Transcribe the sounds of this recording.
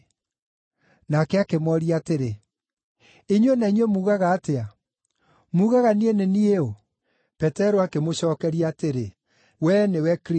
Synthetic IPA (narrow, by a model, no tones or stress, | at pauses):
nakɛakemɔɾiateɾe | eɲwenaiɲwemuːɣaɣaːtea | muːɣaɣanienenieo | pɛtɛɾoakemoɕɔːkɛɾiaateɾe | wɛnewɛkɾ